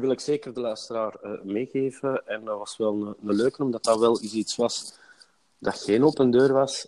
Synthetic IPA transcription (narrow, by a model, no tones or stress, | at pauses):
ʋɪlˠɪkseːkərdəlœːstəɾaːrəmeːɣeːvəɛnʋɑsʋɛlˠnənəløːkənɔmdɑtɑʋɛlˠisitsʋɑs | d̥ɑxeːnopəndøːrʋɑs